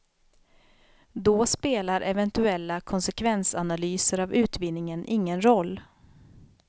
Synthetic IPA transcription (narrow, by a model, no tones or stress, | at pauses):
d̪ɔspeːlaɾʔɛvɛnt̪ɵɛlːakʰɔnsɛkʰvɛnsanalyːsəɾavʉ̟ːt̪vɪnːɪŋənʔɪŋːənɾɔlː